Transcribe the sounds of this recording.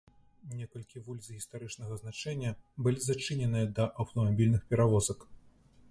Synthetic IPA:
nʲɛkɐlʲkʲivulʲzɣʲist̪aɾɨt͡ʂnɐɣɐznat͡ʂɛnʲːɐbɨlʲizat͡ʂɨnʲɛnɨjɐd̪ɐʔɐwt̪ɐmabʲilʲnɨxpʲɛɾavɔzɐk

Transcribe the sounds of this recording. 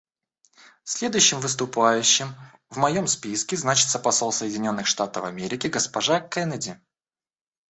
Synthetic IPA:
fsʲlʲe̞d̪ʊjʉɕːɪmvɨs̬t̪ʊpajʉɕːɪm | vmɐjo̞mspʲiskʲɪznat͡ɕɪ̥t̪səpɐso̞lˠsəjɪdʲɪnʲo̞nːɨxʂt̪at̪əfɐmʲeɾʲɪkʲɪɡəspɐʐakɛnədʲɪ

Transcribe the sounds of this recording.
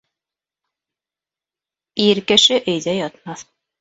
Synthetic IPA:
iɾkɘ̆ʃɘʔɘ̆jðæjɑt̪̚mɑθ

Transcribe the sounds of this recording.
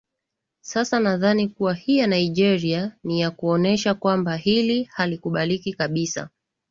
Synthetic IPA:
sasanaðanikuwahijanaiʄɛɾianijakuɔnɛʃakwambahilihalikuɓalikikaɓisa̰

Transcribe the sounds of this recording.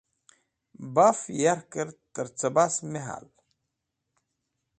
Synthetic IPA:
bafjaɾkəɾt̪əɾt͡sɐbasmeɦa̰l

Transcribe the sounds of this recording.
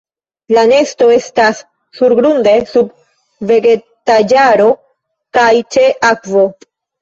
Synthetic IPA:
lane̞sto̞e̞stasː | uɾɡɾunde̞sub | ve̞ɡe̞ | tad͡ʒaɾo̞ | kajt͡ʃe̞ʔakvo̞

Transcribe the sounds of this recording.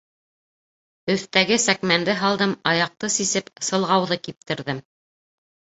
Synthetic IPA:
ɵ̆θt̪æɡɘsækmænd̪ɘɦɑlˠd̪ɤmɑjɑq̚t̪ɤsisɘpsɤ̆lˠʁɑwðɤkip̚t̪ɘ̆ɾðɘm

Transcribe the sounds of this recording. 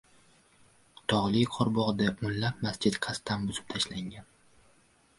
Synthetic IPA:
t̪ʰɒʁlˠɪjqʰɒɾbɒʁd̪ep̚mʊnːap̚mast͡ʃɪt̪qʰɑst̪anbʊzɪp̚t̪ʰaʃlaŋɡʲan

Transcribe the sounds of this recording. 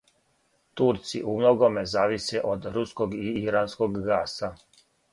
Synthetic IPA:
t̪uɾt̪sḭʔumlˠoɡome̞zaːʋiseʔod̪ɾuskoɡiiɾansko̞ɡːaːsa

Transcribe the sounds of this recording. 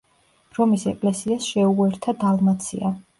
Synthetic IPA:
ɾɔmisɛkʼlɛsiasʃɛuɛɾt̪ʰad̪alˠmat̪sʰḭa

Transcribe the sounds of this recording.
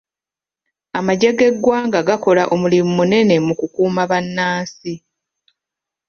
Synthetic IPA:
amaɟeɡe̞ɡwaːŋɡaɡako̞laʔo̞mulimumune̞ne̞mukukuːmaβanːaːsi

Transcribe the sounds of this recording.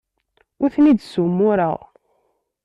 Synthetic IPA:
ʊθnid̪sumːʊɾəʁ

